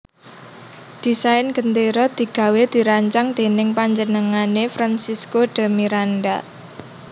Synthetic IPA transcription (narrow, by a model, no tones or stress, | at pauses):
d̪̥i̤saɪnɡ̥ənt̪eɾɔd̪̥i̤ɡ̥ä̤wed̪̥i̤ɾaɲt͡ʃaŋd̪̥e̤nɪŋpaɲd͡ʒənəŋanefɾansiskoɖ̥a̤miɾanda